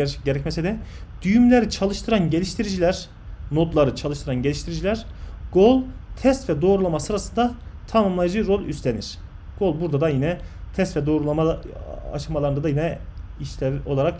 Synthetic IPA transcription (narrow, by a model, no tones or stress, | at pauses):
ɛɾt͡ʃʰɟeɾɛcmɛsid̪ɛd̪̥yjymlʲeɾit͡ʃʰalˠɯʃt̪ʰɯɾanɟelʲiʃt̪ʰiɾid͡ʒilʲæɾ̥ | no̞t̪lˠaɾɯt͡ʃʰalˠɯʃt̪ʰɯɾanɟe̞lʲiʃt̪ʰiɾid͡ʒilʲæɾɡolˠt̪ʰɛst̪vɛd̪o̞ːɾulˠamasɯɾasɯnd̪at̪ʰamɯmlˠajɯd͡ʒɯɾo̞lʲˠyst̪ʰʲenḭɾ̥ | ɡ̥o̞lˠbuɾd̪ad̪ajinɛt̪ʰɛst̪vɛd̪o̞ːɾulˠamaa̰ʃɯmalˠaɾɯnd̪ad̪ajinɛiʃʲɛo̞lˠaɾak